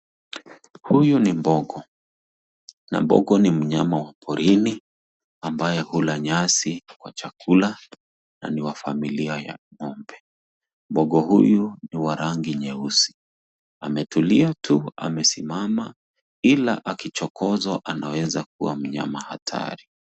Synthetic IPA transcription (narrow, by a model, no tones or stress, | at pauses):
hujunimbɔɠɔ | na̰mbɔ̰ɠɔnim̩ɲamawapʰɔɾʔini | ambajɛhulaɲasikwat͡ʃakʰula | na̰niwafamiliaja̰mɔmbɛ | mbɔɠɔhujuniwaɾaŋɡiɲɛusi̥ | amɛtuliatʰua̰mɛsimama | ila̰ʔakit͡ʃɔkɔzaʔanawɛzak̚uwam̩ɲa̰mahatʰa̰ɾi